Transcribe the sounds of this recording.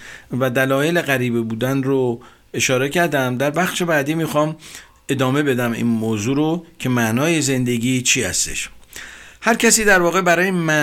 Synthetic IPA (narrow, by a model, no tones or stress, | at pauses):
væd̪ælɒːje̞le̞ɣæɾiːbibuːd̪ænɾo | e̞ʃɒːɾe̞cʰæɾd̪æmd̪æɾbæxʃe̞bæːd̪iːmiːxɒm | e̞d̪ɒːme̞be̞d̪æmḭːnmoːzuːɾocʰe̞mæʔnɒːje̞ze̞nd̪e̞ɡiːt͡ʃʰiːhæ̰st̪e̞̰ʃ | hæɾcʰæsiːd̪æɾvɒːɣe̞bæɾɒːjemæ